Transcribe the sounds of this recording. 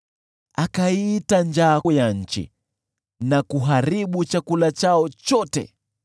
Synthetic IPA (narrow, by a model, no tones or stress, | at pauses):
akaitand͡ʒajaɲ̩t͡ʃḭ | nakuɦaɾiɓut͡ʃakulat͡ʃaɔt͡ʃɔtɛ̰